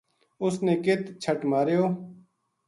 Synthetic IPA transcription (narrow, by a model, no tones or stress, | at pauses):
ʊsneːkɪt̪t͡ʃʰəʈmaːɾejoː